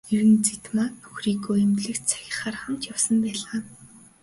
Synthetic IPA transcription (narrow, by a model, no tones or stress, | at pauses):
eɾɘ̆nt͡sit̪maːnɵxriːɡoːemt̪ɮɘ̆kt͡ɕt͡sʰḁxʲɪ̆χaːrχamt͡ɕjawsə̆mpæːɮaː